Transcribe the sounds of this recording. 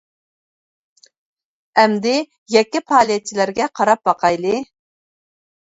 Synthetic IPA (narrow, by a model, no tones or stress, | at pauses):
ɛmd̪ɪ | jɛkʲːipʰɑːlˠijɛt͡ʃʰilæɾɡʲɛqʰɑɾɑp̚bɑqʰɑjlˠɨ